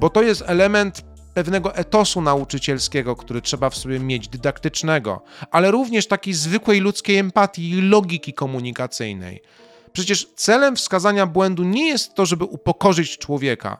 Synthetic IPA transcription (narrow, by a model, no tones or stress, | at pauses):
bɔt̪ɔjɛst̪ɛlɛmɛnt̪ | pɛvnɛɡɔʔɛt̪ɔsunaut͡ʂɘt͡ɕɛlskʲɛɡɔkt̪uɾɘtʂɛbafsɔbʲjɛmʲjed͡ʑd̪ɘd̪akt̪ɘt͡ʂnɛɡɔ̰ʔalɛɾuvɲɛʂt̪akʲejzvɘkwɛjlut̪skʲejɛmpat̪ʲjiːlɔɡʲikʲikɔmuɲikat̪sɘ̰jnɛ̰j | pʂɛt͡ɕɛʂt̪sɛlɛmfskazaɲabwɛnd̪uɲɛjɛst̪ːɔʐɛbɘʔupɔkɔʐɘt͡ɕt͡ʂwɔvʲjɛka̰